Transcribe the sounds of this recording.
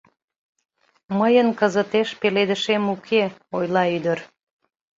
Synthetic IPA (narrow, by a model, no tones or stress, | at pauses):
məjənkəzət̪eʃpeled̪əʃemukʰeojlɑyd̪ər